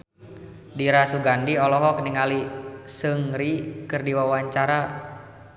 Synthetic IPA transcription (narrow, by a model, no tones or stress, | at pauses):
diɾasuɡandiɔlɔɦɔk̚niŋalisɨŋɾikɨrdiwawaɲt͡ʃaɾa